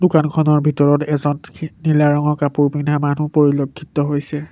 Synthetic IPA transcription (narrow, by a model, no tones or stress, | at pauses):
dukankʰɔnɔɹbʱitɔɹɔtɛzɔnnilaɹɔŋɔkapuɹpinʱamanupoɹilokʰːitɔɦojsɛ